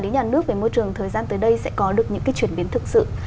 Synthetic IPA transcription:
ɗe˨˦nɲaː˨˩nɨ˦˥ək̚ve˧˩mo˧jt͡ɕɨ˨˩əŋt̪ʰəː˨˩jzaː˧nt̪əː˨˦jɗə˧jsɛ̰˧˥kɔ˨˦ɗɨ˨˩ək̚ɲɨ̰˧˥ŋkaː˨˦jt͡ɕwi˧˩ənɓi˨˦ənt̪ʰɨ˨˩k̚sɨ̰˧˨

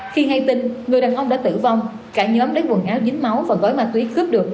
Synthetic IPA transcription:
xi˧ŋa˧jt̪ï˧ŋŋɨ˨˩əjɗaː˨˩nʔə˧wŋ͡mɗa̰ː˧˥t̪ɨ̰˧˩va˧wŋ͡m | kaː˧˩ɲəː˨˦mɗə˨˦nɓu˨˩ənʔaː˨˦wzï˨˦ŋ̟ma˨˦wvaː˨˩k̪o˨˦jmaː˨˧˩t̪wi˨˦xɨ˦˥p̚ɗɨ˨˩ək̚

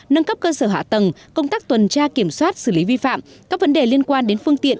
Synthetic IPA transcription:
nə˧nkə˦˥p̚kəː˧səː˧˩ɦa̰ː˧˨t̪ə˨˩mkə˧wŋ͡mt̪aː˦˥k̚t̪wə˨˩nt͡ɕaː˧ki˧˩əmswaː˦˥t̚sɨ˧˩li˨˦vi˧fa̰ː˧˨mkaː˦˥k̚və˨˦nɗe˨˩li˧ənkwaː˧nɗe˨˦nfɨ˧əŋt̪ḭ˧˨ən

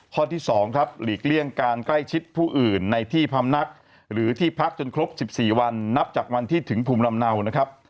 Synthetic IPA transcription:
kʰɔː˥˩t̪ʰiː˥˩sɔː˩˦ŋkʰɾa˦˥p̚liː˨˩k̚li˥˩əŋkaː˧nkla˥˩jt͡ɕʰi˦˥t̪̚pʰuː˥˩ʔɯː˨˩nːa˧jt̪ʰiː˥˩pʰa˧mna˦˥k̚ | ɾɯː˩˦t̪ʰiː˥˩pʰa˦˥k̚t͡ɕo˧nkʰɾo˦˥p̚si˨˩p̚siː˨˩wa˧nːa˦˥p̚t͡ɕaː˨˩k̚wa˧nt̪ʰiː˥˩t̪ʰɯ˩˦ŋpʰuː˧mna˧mna˧wna˦˥kʰɾa˦˥p̚

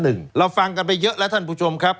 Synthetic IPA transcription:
nɯ˨˩ŋɾa˧wfa˧ŋka˧np̬a˧jːɤ˦˥ʔlɛ˦˥wt̪ʰa˥˩npʰuː˧˩t͡ɕʰo˧mkʰɾa˦˥p̚

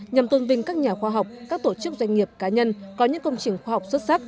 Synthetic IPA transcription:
ɲa˨˩mt̪ə˧nvï˧ŋ̟kaː˦˥k̚ɲaː˨˩xwaː˧ɦa˨˩wk͡p̚kaː˦˥k̚t̪o˧˩t͡ɕɨ˦˥k̚zwa˧jŋ̟ŋi˨˩əp̚kaː˨˦ɲə˧nkɔ˨˦ɲɨ̰˧˥ŋkə˧wŋ͡mt͡ɕï˨˩ŋ̟xwaː˧ha˨˩wk͡p̚swə˦˥t̚sa˦˥k̚

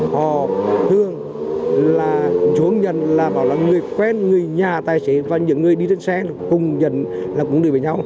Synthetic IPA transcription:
hɔ˨˩t̪ʰɨ˧əŋ | laː˨˩t͡ɕu˨˦əŋɲə̰˧˨nlaː˨˩ɓa̰ː˨˩wlaː˨˩ŋɨ˨˩əjkwɛ˧˥nŋɨ˨˩əjɲaː˨˩t̪aː˨˩jse˨˦vaː˨˩ɲɨ̰˧˨əŋːɨ˨˩əjɗi˧tə˧nsɛ˧˥˨kʊ˨˩ŋ͡mɲə̰˧˨n | laː˨˩kʊ̰˧˥ŋ͡mɗɨ˧˩və˨˩jɲa˧w

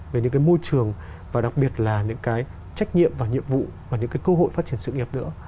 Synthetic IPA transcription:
ve˨˩ɲɨ̰˧˥ŋkaː˨˦jmo˧jt͡ɕɨ˨˩əŋ | vaː˨˩ɗa˨˩k̚ɓi˨˩ət̚laː˨˩ɲɨ̰˧˥ŋkaː˨˦j | t͡ɕa˦˥jk̟̚ɲḭ˧˨əmvaː˨˩ɲḭ˧˨əmvṵ˧˨vaː˨˩ɲɨ̰˧˥ŋkaː˨˦jkə˧ɦo̰˧˨jfaː˦˥t̚t͡ɕi˨˩ənsɨ̰˧˨ŋi˨˩əp̚nɨ̰˧˥ə

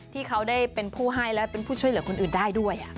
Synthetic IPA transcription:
t̪ʰiː˥˩kʰa˦˥wdaː˥˩jpe˧npʰuː˥˩ɦa˥˩jlɛ˦˥wpe˧npʰuː˥˩t͡ɕʰu˥˩jlɯ˩˦kʰo˧nʔɯː˨˩ndaː˥˩jdu˥˩əjʔa˨˩ʔ

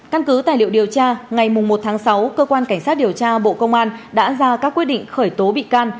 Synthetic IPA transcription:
ka˧nkɨ˨˦t̪aː˧˨˩jlḭ˧˨əwɗi˨˩əwt͡ɕaː˧ŋa˨˩jmʊ˨˩ŋ͡mmo˨˩t̚t̪ʰaː˨˦ŋsa˨˦wkəː˧kwaː˧nka˧˩ŋ̟saː˦˥t̚ɗi˨˩əwt͡ɕaː˧ɓo̰˧˨kə˧wŋ͡mʔaː˧nɗa̰ː˧˥zaː˧kaː˦˥k̚wi˦˥ət̚ɗḭ˧˨ŋ̟xəː˧˩jt̪o˨˦ɓḭ˧˨kaː˧n

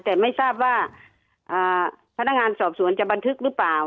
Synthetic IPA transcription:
t̪ɛː˨˩ma˥˩jsaː˥˩p̚waː˧˩ | ʔaː˨˩pʰa˧˥na˧˥k̚ŋaː˧nsɔː˨˩p̚su˨˩˦ənt͡ɕa˧˩ba˧nt̪ʰɯ˧˥k̚lɯː˧˥paː˨˩w

